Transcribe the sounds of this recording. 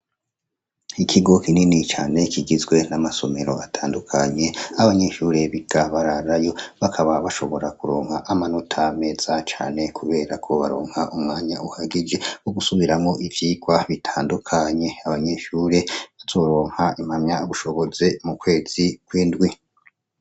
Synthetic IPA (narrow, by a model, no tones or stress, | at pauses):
ikʰiɡo̞kininit͡ʃa̰ːne̞kʰiɡizɡwe̞namaso̞me̞ɾo̞̰atʰaːndukʰaɲe̞aβaɲe̞ʃuːɾe̞βiɡ̥aβaɾaɾajo̞βakʰaβaβaʃo̞βo̞ɾakuɾo̞ːŋhaʔamanutʰame̞z̥at͡ʃa̰ːne̞kʰuβe̞ːɾakʰo̞βa̰ɾo̞̰ːŋ̥haʔumŋaːɲaʔuhaɡid͡ʒe̞woɡusuβiɾamŋo̞ʔivjiːɡwaβitʰaːndukʰaɲe̞aβaɲe̞ʃuːɾe̞βaz̥o̞ːɾo̞ːŋ̥haim̥hamɲauβuʃo̞βo̞zemukwe̞ːz̥ikwiːndɡwi